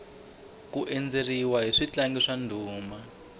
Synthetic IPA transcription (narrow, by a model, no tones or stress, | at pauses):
kuʔend͡zeriwaɦiʂit͡ɬaŋɡiʂandʱuːma